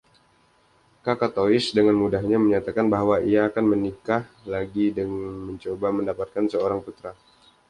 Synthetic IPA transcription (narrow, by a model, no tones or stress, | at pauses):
kakat̪oɪsdəŋanmudaɦɲaməɲat̪akanbaɦwaiaːkanmənikahlaɡidəŋməɲt͡ʃobaməndapat̪̚kansəoɾaŋput̪ɾa